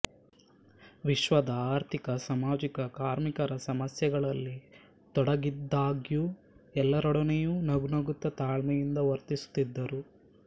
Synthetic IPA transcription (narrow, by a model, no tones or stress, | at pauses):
ʋiʃʋɐd̪aːɾt̪ʰikɐsɐmaːd͡ʒikɐkaːɾmikɐɾɐsɐmɐsjɛɡɐɭɐlːi | t̪ɔɽɐɡid̪ːaːɡju | ɛlːɐɾɔɽɐnejunɐɡunɐɡut̪ːɐt̪aːɭmɐjind̪ɐʋɐɾt̪isu̥t̪ːid̪ːɐɾu